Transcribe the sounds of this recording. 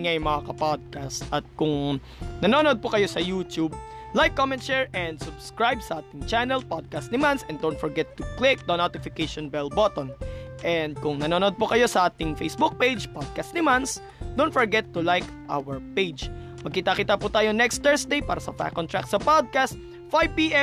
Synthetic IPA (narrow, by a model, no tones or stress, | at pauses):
ŋajʊmɐŋakɐpad̪̚kast̪ʔɐt̪̚kʊŋ | nɐnoːnod̪̚pokɐjo̞sɐjut̪ub̚ | lajkːomɛ̃nt̪̚ʃɛɹʔɛnd̪sʊbskɹajbsɐʔaːt̪ɪŋt͡ʃanɛlpad̪̚kast̪nɪmansʔɛ̃nd̪õwnfɔɹɡɛt̪ːʊklɪk̚d̪ɐnot̪ɪfɪkejʃɔnbɛlbot̪onʔɛnd̪̚kʊŋnɐnoːnod̪̚pokɐjo̞sɐʔaːt̪ɪŋfḛjsbuk̚pejd͡ʒpad̪̚kast̪̚nɪmans | d̪ownt̪fɔɹɡɛt̪ːʊlajk | ʔa̰wɛɹpejd͡ʒ | mɐɡ̚kit̪akiːt̪aput̪aːjonɛkst̪ɛɹsd̪ejpaːɾɐsɐpa̰kːɔnt̪ɾa̰ksɐpod̪̚kast̪̚ | fajpiːʔɛ